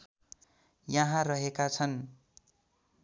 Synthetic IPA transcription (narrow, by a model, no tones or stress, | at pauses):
jʌɦãrʌɦekat͡sʰʌn